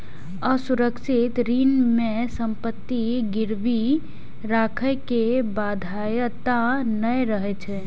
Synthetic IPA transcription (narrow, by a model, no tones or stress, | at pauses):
əsuɾəkʃɪt̪ɾinmesəmpət̪ːiɡɪɾbi | ɾaːkʰəjkebad̪ʱajt̪anəjɾəɦɛt͡ʃʰɛ